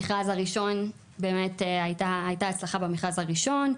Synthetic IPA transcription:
iχazaʁiʃo̞n | be̞ːme̞teajtaːjtaat͡slaχabemiχʁazhaʁiʃo̞n

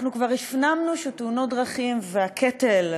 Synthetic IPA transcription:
nukvaʁifnamnuʃeteuno̞t̚dʁaχimveakʰetel

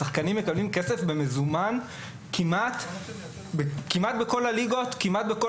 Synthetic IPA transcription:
aχkanimːekablimke̞se̞fbe̞me̞zuman | kʰimʔat̪ | bekimat̪̚beko̞laliɡo̞t̪kimat̪̚beko

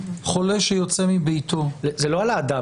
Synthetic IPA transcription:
χo̞leʃejot͡semibejt̪o̞zeloalaːd̪a

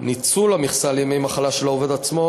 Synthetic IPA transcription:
nit͡sulamiχsaljemejmaχalaʃelaoved̪at͡smo̞

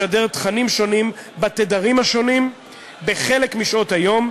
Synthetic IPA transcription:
adeʁt̪χanimʃo̞nimbat̪edaʁimhaʃo̞nim | be̞χe̞lekmiʃo̞thajo̞m

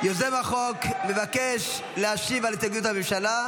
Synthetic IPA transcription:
jozemaχo̞kme̞vakeʃ | leaʃivalit̪aɡjut̪hamimʃala

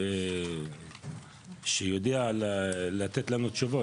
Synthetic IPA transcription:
ʃejod̪eallat̪et̪lanut̪ʃuvo

